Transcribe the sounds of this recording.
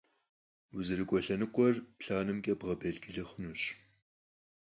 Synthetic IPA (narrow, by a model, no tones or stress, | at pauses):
wʊzɨɾɨkʷʼɔɬɐnɨkʷʼɔrpɬaːnɨmkʲʼɐbʁɐbeɮɡɪɮɨχʷʊnuɕ